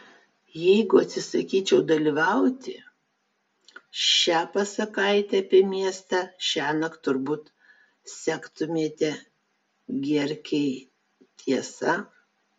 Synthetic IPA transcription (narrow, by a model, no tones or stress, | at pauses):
jɛɪɡʊɐt̪ʲsʲɪsɐkʲiːt͡ʃʲɛʊd̪ɐlʲiːʋɐʊt̪ʲɪ | ʃʲæːpɐsɐkɐɪt̪ʲɛɐpʲiɛmʲiɛst̪ɑʃʲæːnɐkt̪ʊɾbuːt̪ | sʲæːkt̪ʊmʲiɛt̪ʲɛ | ɡʲɛɾʲkʲɛɪ | t̪ʲʰiɛsɐ